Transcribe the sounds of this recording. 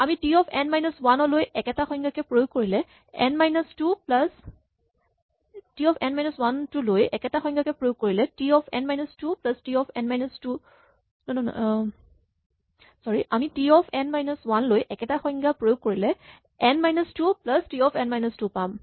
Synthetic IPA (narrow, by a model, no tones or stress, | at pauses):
amitiɔpʰɛnmajnɔswanɔlojʔɛkɛtaxɔŋɡakɛpɹojok̚kːoɹilɛ | ɛnmajnɔstuplas | tiɔpʰɛnmajnɔswantulojɛkɛtaxɔjŋɡakɛpɹojoɡ̚kːoɹilɛtiɔpʰɛ̰nmajnɔstuplastiɔpʰɛnmajnɔstu | nɔnɔn̰ | sɔɹiʔamitiɔpʰɛnmajnɔswanlojʔɛkɛtaxɔjŋɡapɹojoɡ̚koɹilɛ | ɛnmajnɔstuplastiɔpʰɛnmajnɔstupam